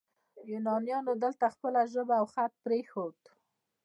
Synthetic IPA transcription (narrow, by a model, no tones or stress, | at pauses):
junɑnjɑnod̪əlt̪axpəlaʒəbaːwxat̪̚pɾexod̪